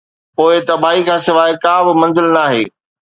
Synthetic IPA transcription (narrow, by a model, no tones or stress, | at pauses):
poːɪt̪ɐbʱaːɦikʰãːsɪʋaːɦɪkãːbɪmɐ̃nzɪlnaːɦḛː